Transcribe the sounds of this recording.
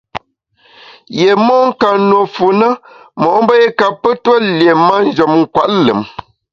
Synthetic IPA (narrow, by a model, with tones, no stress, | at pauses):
je˨mɔ˦ŋ̩˦ka˨nwo˨fu˨nə˦mɔ˨ʔm˦bə˦e˦ka˨pə˦twə˦lje˨ma˦n̩˦d͡ʒɔ˨mŋ̩˨kwa˨ʔlɨ̰˨m